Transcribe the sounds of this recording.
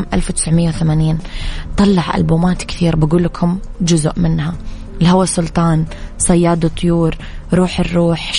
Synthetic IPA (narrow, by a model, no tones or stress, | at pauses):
mʔa̰lfwt̪ɪ̥sʕmɪjːawθamaːniːnt̪ˤɑlːɑʕʔa̰lbuːmaːt̪kθiːɾbaɡuːlːakʰʊmd͡ʒʊzʊʔmɪnha | ɪlhawasʊlt̪ˤɑːnsˤɑjːɑːd̪ˤɨt̪ˤːʊjuːɾ | ɾˤuːħɪrːuːħ